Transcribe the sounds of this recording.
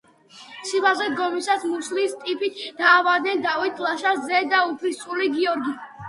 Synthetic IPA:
sʰibazɛd̪ɡɔmisasmuslist̪ʼipʰit̪ʰd̪̥aːvad̪nɛnd̪avit̪ʰlˠaʃaszɛd̪aupʰlissʼuliɡiɔɾɡi

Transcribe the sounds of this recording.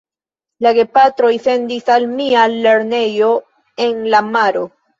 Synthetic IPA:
laɡe̞pat̪ɾojθend̪isalmiale̞ɾne̞jo | e̞nlamaɾo

